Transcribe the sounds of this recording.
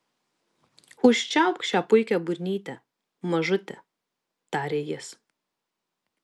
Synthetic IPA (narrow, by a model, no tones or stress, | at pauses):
ʊʃʲt͡ʃʲɛˑʊkʃʲt͡ʃʲæːpʊɪkʲɛbʊɾʲnʲiːt̪ʲɛ | mɐʒʊt̪ʲɛ | t̪ɑːɾʲeːjɪs